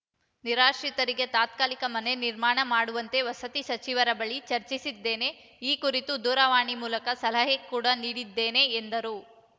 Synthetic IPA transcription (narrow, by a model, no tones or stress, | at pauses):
niɾaːʃɾit̪ɐɾiɡet̪aːt̪̚kaːlikɐmɐne̞niɾmaːɳɐmaːɽuʋɐnt̪e̞ʋɐsɐt̪iʃɐt͡ʃiʋɐɾɐbɐɭit͡ʃɐɾt͡ʃisid̪ːe̞ːne̞ | iːkuɾit̪ud̪uːɾɐʋaːɳimuːlɐkɐsɐlɐɦekuːɽɐniːɽid̪ːe̞ːne̞ːnd̪ɐɾu